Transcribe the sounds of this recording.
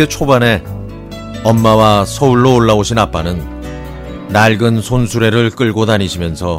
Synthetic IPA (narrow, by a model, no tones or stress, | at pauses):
et͡ɕʰobane̞ | ʌmːawasʰʌuɭːoːɭːaoɕʰinap͈anɯnː | aɭɡɯnsʰonsʰuɾe̞ɾɯɭk͈ɯɭɡodaɲiɕʰimjʌnsʰʌ